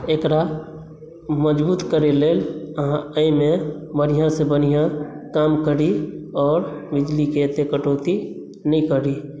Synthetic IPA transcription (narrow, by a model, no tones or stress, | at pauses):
eːkɾa | məd͡ʒbuːt̪kəɾeleːlɦãəĩmẽbənijãsebənijãkaːmkəɾiɔːɾbɪd͡ʒliket̪ekəʈoːt̪i | nĩkəɾi